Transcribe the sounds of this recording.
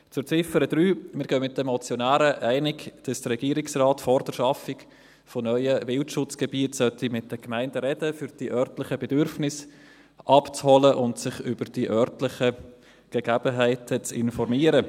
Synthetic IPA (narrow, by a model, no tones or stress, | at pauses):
t͡sʊɾt͡sɪfəɾəd̥ɾyːmɪːɾɡœmɪt̚dəmɔt͡sjɔnæːɾəʔæɪnɪkd̥ɑsd̥ərɾɛɡ̥iːəɾɪksrɑːtfɔɾd̥əɾʃɑfɪk | fonœʏəvɪltʃʊt͡sɡ̥əbiətsœtimɪt̚d̥əkmæɪndəɾɛdəfyɾd̥iʔœɾtlɪχəbɛdʏɾfnɪs | ʔɑpt͡shɔləʔʊntsɪχʏb̥əɾd̥iʔœrtlɪχə | ɡ̥əɡ̥æb̥əɦæɪtʰət͡sɪ̰nfɔɾmiːəɾə